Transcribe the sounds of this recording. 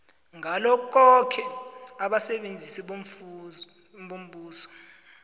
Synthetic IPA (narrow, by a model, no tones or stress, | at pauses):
ŋɡʱalɔk̬ʼɔkʰɛaɓasɛɓend͡zʱisiɓo | ɓom̩ɓuːsɔ̥